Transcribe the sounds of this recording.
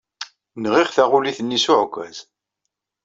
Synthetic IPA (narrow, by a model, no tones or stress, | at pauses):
nʁiʁθæʁuliθənːisʊʕkʷːæ̰z̥